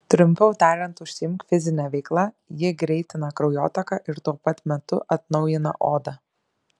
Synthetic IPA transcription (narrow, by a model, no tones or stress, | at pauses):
t̪ʲɾʊmʲpʲɛʊt̪ɑːɾʲɛnt̪ʊʃʲsʲɪjɪmkfʲɪzʲɪnʲɛʋʲɛɪklˠɐ | jɪɡɾʲɛɪt̪ʲɪnɐkɾɐʊjoːt̪ɐkɑʔɪɾt̪uɔpɐt̪mʲɛt̪ʊʔɐt̪nɒʊjɪnɐ̰ʔoːd̪ɐ